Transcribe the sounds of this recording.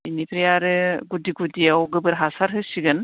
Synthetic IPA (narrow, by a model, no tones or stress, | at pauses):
inipʰɾijaɾɯɡudiɡudijawɡɯbɯɾɦasaɾɦɯsiɡɯn